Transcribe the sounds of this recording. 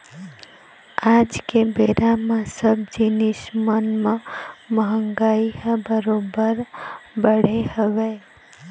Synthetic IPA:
ad͡ʒkebeɾamesəb̚d͡ʒinismənmeməɦəŋɡaiɦəbəɾobəɾbəɽ̤eɦəʋɛ

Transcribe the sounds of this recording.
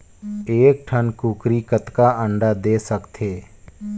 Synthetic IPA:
eːk̚ʈʰənkuːkɾiːkət̪kaːə̃ɳɖaːd̪eːsəkt̪ʰeː

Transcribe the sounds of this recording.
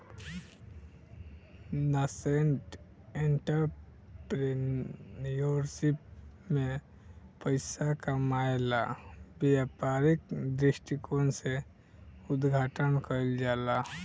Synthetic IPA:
naseɳʈ | ẽɳʈəɾpɾenjoɾsipmẽ | pəɪsakamaːjlabejapaːɾikd̪ɾɪʃʈikonse | ʊd̪ɡʱaːʈənkəld͡ʒaːla

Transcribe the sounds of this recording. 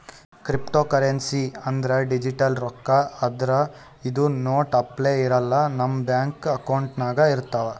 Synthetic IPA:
kɾipʈoːkɐɾensiɐnd̪ɐɾeɖid͡ʒiʈɐlɾɔkːɐɐd̪ɐɾɐ | id̪unoːʈɐpleːiɾɐlːɐnɐmːbjaːŋkɐkɐwɳʈnaːɡɐiɾt̪ːɐʋɐ

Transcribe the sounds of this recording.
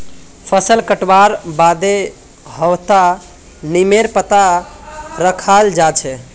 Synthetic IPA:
pʰəsəlkəʈwaɾbad̪e | ɦəwt̪a | nimeɾpət̪a | ɾəkʰald͡ʒat͡ʃʰɛ

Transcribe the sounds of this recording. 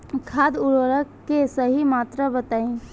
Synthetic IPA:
kʰaːd̪ʊɾəɾəkkːesəɦimaːt̪ɾabət̪aːĩ

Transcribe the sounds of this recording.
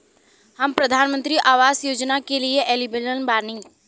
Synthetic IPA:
həmpɾəd̪ʱaːnmə̃nt̪ɾiʔaːʋaːzjoːd͡ʒnakelieʔɛːlibelənbaːnɪ̃ː

